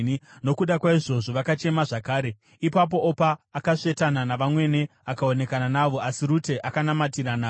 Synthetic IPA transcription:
no̞kuɗakwaiʐo̞ʐo̞ʋakat͡ʃe̞maʐakaːɾe̞ | ipap̬o̞opaːkaʂe̞tananaʋamwe̞ne̞akao̞ne̞kananaʋo̞asiɾute̞ʔakanamatiɾana

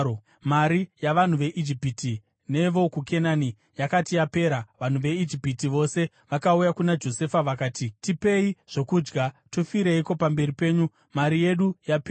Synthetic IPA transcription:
maɾijaʋan̤uʋe̞ʔid͡ʒipiti | ne̞ʋo̞kukʰe̞naːni | jakatijape̞ːɾaʋan̤uʋe̞id͡ʒipitiʋo̞se̞ | ʋakaujakunad͡ʒo̞se̞faʋakaːtitipe̞iʐ̥o̞kuːd͡ʒɡatofiɾeiko̞pambe̞ripe̞ːɲu | maɾije̞ɗujape

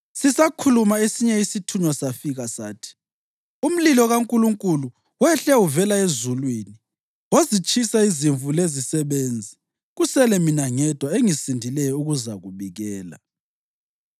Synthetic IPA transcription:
sisakʰulumaesiɲɛisitʰuɲwasafiɣasa̰ːtʰi̥ | um̩lilɔɣaŋkʼuluŋkʼulu | wɛɬɛuvɛlaezulwiːni | wozit͡ʃʼisaiziɱvulezisɛβend͡zʱi | ɣusɛlɛminaŋɛd̥ʱwaeŋisindʱilɛjɔuɣuzaɣuβiɣɛːla̰

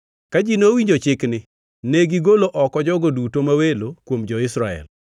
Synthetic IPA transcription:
kad͡ʒinowiɲd͡ʒot͡ʃɪknɪ | neɡiɡoloʔɔkɔd͡ʒɔɡodutomawelokwomd͡ʒɔɪsɾaɛ̰l

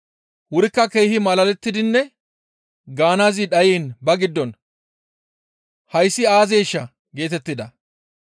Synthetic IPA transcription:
wʊɾɪkːɐkejhɪmɐlɐlɛt̪ːɪd̪ɪnːɛ | ɡaːnaːzɪɗɐjiːnbɐɡɪd̪ːɔn | hɐjsːɪaːzeːʃːɐ | ɡe̞ːt̪ɛt̪ːɪd̪ɐ

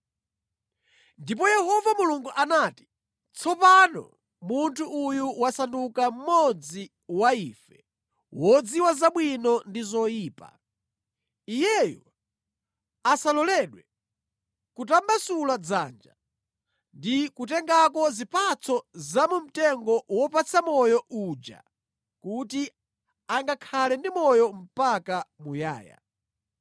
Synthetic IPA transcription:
ndip̬ɔjɛhɔvamuluŋɡuʔanaːti̥ | t͡sʰɔpanɔ̰ | muntʰuʔːjuwasandukam̩mɔd͡zi | waiːfɛ | wɔd͡ziwazaɓwinɔndizɔjiːpa̰ | ijɛjɔ̰ | asalɔlɛɗwɛ | kutambasulad͡za̰nd͡ʒa̰ | ndikutɛŋɡakɔzipat͡sʰɔzamum̩tɛŋɡɔwɔpat͡sʰamɔjɔʔud͡ʒa̰ | kuti | aŋɡakʰalɛndimɔjɔm̩pakamuja̰ːja̰

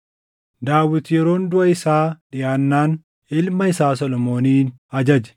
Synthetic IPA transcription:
d̪aːwːɪt̪jɛɾo̞ːnd̪ʊʔɐɪsaːᶑɪjaːnːaːn | ɪlmɐɪsaːs̬ɔlɔmo̞ːniːn | ɐd͡ʒɐd͡ʒɛ̥

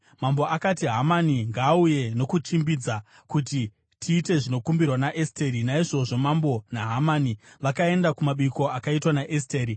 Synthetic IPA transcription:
mamboʔakatiɦamaniŋɡaːuje̞no̞kut͡ʃimbid͡za | kuti | tʰiːte̞ʐino̞kumbirwanaʔesteɾinaiʐo̞ʐo̞mambo̞naɦamaːniʋakae̞ndakumaɓiko̞akaitwanaʔesteːɾi

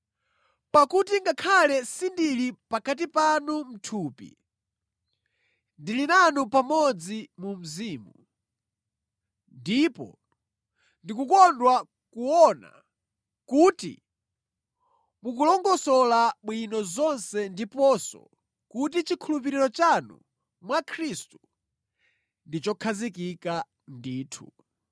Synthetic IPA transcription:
pakutiŋɡakʰalɛsindilipakat̬ipanum̩tʰuːpḭ | ndilinanupamɔd͡zimum̩ziːmu | ndipɔ̰ | ndikukɔndwa | kuɔna̰ | kuːtḭ | mukulɔŋɡɔsɔlaɓwinɔzɔnsɛndipɔsɔ̰ | kut̬it͡ʃikʰulupiɾiɾɔt͡ʃanṵ | mwakʰɾistu | ndit͡ʃɔkʰazikika | ndiːtʰṵ

